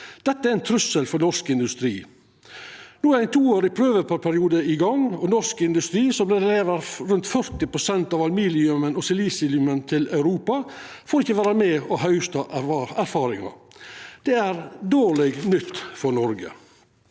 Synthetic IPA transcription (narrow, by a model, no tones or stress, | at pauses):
d̪̥ɛt̪ːəæɾɪnt̪ʰɾʉsəlfɔɾnɔʂkɪnd̪ʉst̪ɾiː | nuːæɾæɪnt̪ʰuːoːɾɪpʰɾøːʋəpʰɑpʰæɾɪuːd̪əɪɡɑŋɔnɔʂkɪnd̪ʉst̪ɾiːsɔblɛːd̪ɛleːʋəɾɾʉnt̪fœɾt̪ɪpɾʊsɛnt̪ɑːʋɑlmiːlɪʉmənɔsɪliːsɪlʉmənt̪ʰɪlɑʉɾuːpɑ | foːɾɪçːəʋæːɾɑmɛːɔɦœʏst̪ɑæɾfɑːɾɪŋɑ̰d̪̥ɛæɾd̪oːɭɛɡnʏt̪ːfɔɾnɔɾɡə̰